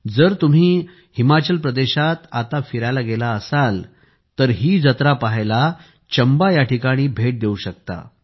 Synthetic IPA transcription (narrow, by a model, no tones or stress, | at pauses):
d͡zəɾt̪um̤iː | himat͡ɕəlpɾəd̪eɕat̪at̪afiɾajlaɡelaəsal | t̪əɾɦiːd͡zət̪ɾapaɦla | t͡ɕəmbajaʈʰikaɽ̃iːbʱeʈ̚d̪euɕək̚t̪a̰